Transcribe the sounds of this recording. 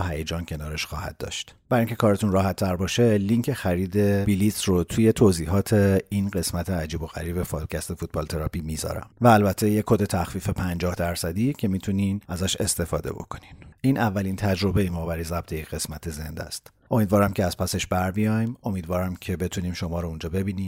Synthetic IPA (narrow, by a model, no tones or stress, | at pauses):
ɦæjed͡ʒɒːncʰe̞nɒːɾeʃxɒːhæ̰d̪̚dːɒ̰ːʃt̪b̥æɾiŋcʰe̞kʰɒːɾet̪unrɒːɦæt̪ʰːæɾbɒːʃe̞liŋcʰexæɾiːd̪e̞bilisɾot̪ʰuːje̞t̪ʰoziːɦɒːt̪ʰe̞inɢe̞smæt̪ʰeæd͡ʒiːbo̞ɣæ̰ɾiːbe̞fɒːd̪̥cʰæst̪e̞fut̪̚bɒːlt̪ʰe̞ɾɒpimizɒ̰ɾæ̰mvæːlbæt̪ʰːe̞jekʰːod̪et̪ʰæxfiːfepʰænd͡ʒɒːhd̪æɾsæd̪icʰe̞miːt̪ʰuninæzæʃe̞st̪e̞fɒ̰ːd̪e̞̰bo̞̰kʰo̞̥nimʔiːnʔævːælint̪ʰæd͡ʒɾo̞be̞jemɒbæɾjezæb̚t̪ʰejecʰɣe̞smæt̪ʰe̞ze̞nd̪æ̰st̪ | ʔo̞miːd̪vɒːɾæmcʰeæz̥pʰæseʃbæɾbijɒjmo̞miːd̪vɒːɾæmcʰe̞be̞t̪ʰuniːmʃo̞mɒːɾound͡ʒɒːbe̞biːniːm